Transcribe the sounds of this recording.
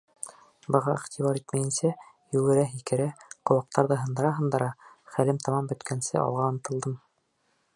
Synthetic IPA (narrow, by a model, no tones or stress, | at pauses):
bɤ̆ʁɑiχt̪ʲiβɑɾit̪mæjɘ̆nsæ | jʉɡɘ̆ɾæɦikɘ̆ɾæqŏwɑq̚t̪ɑɾðɤɦɤ̆nd̪ɤ̆ɾɑɦɤ̆nd̪ɤ̆ɾɑχælɘmt̪ɑmɑmbɵ̆t̪kʰænsɘ̰ʔɒ̰lˠʁɑːnɤ̆t̪ɤ̆lˠd̪ɤm